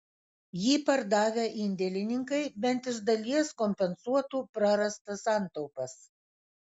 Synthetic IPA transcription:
jiːpɐɾd̪ɑːʋʲɛʔɪnʲd̪ʲɛlʲɪnʲɪŋkɐɪbʲɛnʲt̪ɪʒd̪ɐlʲiɛskɔmʲpʲɛnsuɔt̪uːpɾɐɾɐst̪ɐsɑˑnt̪ɔʊpɐs

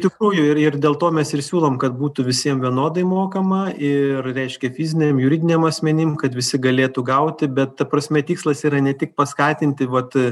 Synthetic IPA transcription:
t̪ʲɪkɾuːjʊɪrɪrd̪ʲeːlˠt̪oːmʲɛsɪrsʲuːlˠoːmkɐt̪buːt̪ʊʋʲɪsʲiɛmʋʲiɛnoːd̪ɐɪmoːkɐmɐɪrɾʲɛɪʃʲkʲɛfʲiːzʲɪnʲemjʊɾʲiːd̪ʲɪnʲeɛmɐsʲmʲɛnʲɪmkɐt̪ʋʲɪsʲɪɡɐlʲeːt̪uɡɐʊt̪ʲɪbʲɛt̪t̪ɐpɾɐsʲmʲɛt̪ʲiːkslˠɐsiːɾɐnʲɛt̪ʲɪk̚pɐskɑːt̪ʲɪnʲt̪ʲɪʋɐt̪

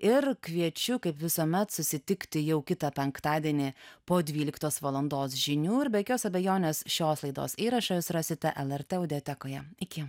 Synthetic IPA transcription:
ɪɾkʋʲiɛt͡ʃʲʊkɐɪpʋʲɪsoːmʲɛt̪sʊsʲɪt̪ʲɪkt̪ʲɪjɛʊkʲɪt̪ɐpʲɛŋkt̪ɑːd̪ʲiɛnʲiːpoːd̪ʲʋʲiːlʲɪkt̪oːsʋɐlˠɐnd̪oːs̬ʒʲɪnʲuːɪɾbʲɛkʲoːsɐbʲɛjoːnʲeːsʃʲoːslˠɐɪd̪o̰ːsiːɾɐʃɐjɪsɾɑsʲɪt̪ʲɛʔɛlˠɛɾʲt̪ʲɛːʊd̪ʲɛɛt̪ʲɛkoːjɛɪkʲɪ

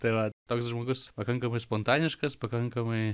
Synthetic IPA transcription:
t̪ɐʋat̪oːkʲsʒmoɡʊspɐkɐŋkɐmɨspont̪anʲɪʃkɐspɐkɐŋkɐmɨj

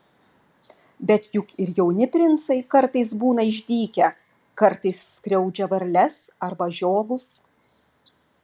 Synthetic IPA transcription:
bʲɛt̪jʊkɪɾjɛʊnʲɪpʲɾʲɪnt̪sɐɪkɐɾˑt̪ɐɪs̬buːnɐɪʒʲd̪ʲiːkʲɛ | kɐɾt̪ɐɪsːʲkɾʲɛʊd͡ʒʲɛʋɐɾʲlʲɛsɐɾbɐʒʲoːɡʊs

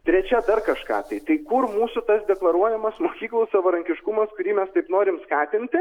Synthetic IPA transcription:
t̪ʲɾʲɛt͡ʃʲɛd̪ɐrkɐʃkɑ̰ːt̪ɐɪt̪ɐɪkʊrmuːsʊt̪ɐsd̪ʲɛklˠɐɾuɔjɛmɐsmoːkʲiːklˠoːssɐʋɐɾɐŋʲkʲɪʃkʊmɐskʊɾʲiːmʲɛst̪ɐɪpnoːɾʲɪmskɑːt̪ʲɪnʲt̪ʲɪ

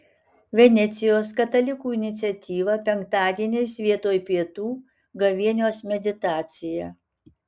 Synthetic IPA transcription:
ʋʲɛnʲɛt̪sʲɪjoːskɐt̪ɐlʲɪkuːɪnʲɪt̪sʲɛt̪ʲiːʋɐpʲɛŋk̚t̪ɑːd̪ʲiɛnʲɛɪsʋʲiɛt̪oːjpʲiɛt̪uː | ɡɐʋʲiɛnʲoːsmʲɛd̪ʲɪt̪ɑːt̪sʲɪjɛ

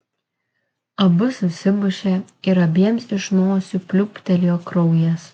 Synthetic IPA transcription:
ɐbʊsʊsʲɪbʊʃʲe | ɪɾɐbʲiɛmsɪʃnoːsʲupʲlʲʊpʲt̪ʲɛlʲjoːkɾɔʊjɛs

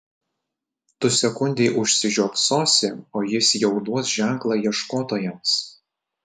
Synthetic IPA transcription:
t̪ʊsʲɛkʊnʲd̪ʲeɪʔʊʃʲsʲɪʒʲuɔpsoːsʲeoːjɪsjɛʊd̪uɔsʒʲæˑŋklˠɑːjiɛʃkoːt̪oːjɛms

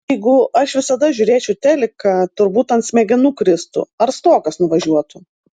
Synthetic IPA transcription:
ɛɪɡʊɐʃʋʲɪsɐd̪ɐʒʲuːɾʲeːt͡ʃʲɛʊt̪ʲæːlʲɪkɐt̪ʊɾbuːt̪ɐnt̪sʲmʲɛɡʲɪnuːkɾʲɪst̪ʊ̰ɐɾst̪oːkɐsnʊʋɐʒʲuɔt̪ʊ

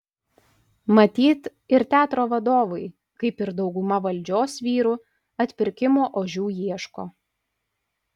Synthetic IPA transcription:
mɐt̪ʲiːt̪ɪɾt̪ʲæːt̪ɾoːʋɐd̪oːʋɐɪ | kɐɪpɪɾd̪ɒʊɡʊmɐʋɐlʲˑd͡ʒʲoːsʋʲiːɾu | ɐt̪ʲpʲɪɾʲkʲɪmoːʔoːʒʲuːjiɛʃko̰ː

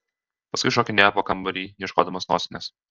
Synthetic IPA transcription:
pɐskʊɪʃoːkʲɪnʲæːpoːkɐmbɐɾʲiːjjiɛʃko̰ːd̪ɐmoːsno̰ːsʲɪnʲɛs

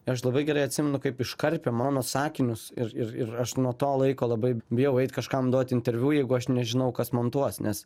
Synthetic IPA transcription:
ɪɐʃlˠɐbɐɪɡʲɛɾɐɪɐt̪ʲsʲɪmʲɛnʊkɐɪpɪʃkɐɾʲpʲɛmɑːnoːsɑːkʲɪnʲʊsɪrɪrɪrɐʃnuɔt̪oːlˠɐɪkoːlˠɐbɐɪbʲɪjɛʊɛɪt̪kɐʃkɐmd̪uɔt̪ʲɪnʲt̪ʲɛɾʲʋʲuːjɛɪɡʊɐʃnʲɛʒʲɪnɐʊkɐsmoːnt̪uɔsnʲɛs

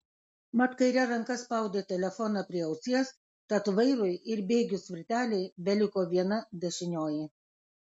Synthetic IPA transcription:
mɐt̪kɐɪɾʲɛɾɐŋkɐspɐˑʊd̪ʲeːt̪ʲɛlʲɛfɔnɑpʲɾʲiɛɐʊsʲiɛs | kɐt̪ʋɐɪɾʊɪɪɾbʲeːɡʲʊsʲʋʲɪɾʲt̪ʲæːlʲɛɪbʲɛlʲɪkoːʋʲiɛnɐd̪ʲɛʃʲɪnʲoːjɪ

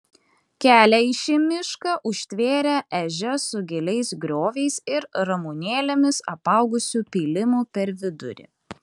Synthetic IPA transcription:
kʲæːlʲɛiʃʲɪmʲɪʃkɐʔʊʃʲt̪ʲʋʲeːɾʲɛʔɛʒʲɛsʊɡʲɛlʲɛɪsɡɾʲoːʋʲɛɪsɪɾɾɐmuːnʲeːlʲemʲɪsɐ̰pɐˑʊɡʊsʲuːpʲiːlʲɪmuːpʲɛɾʋʲɪd̪ʊ̰ɾʲɪ̰

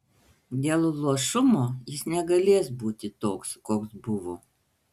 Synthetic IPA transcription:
d̪ʲeːlˠlˠuɔʃʊmoːjɪsnʲɛɡɐlʲeːsbuːt̪ʲɪt̪oːkskoːksbʊʋoː

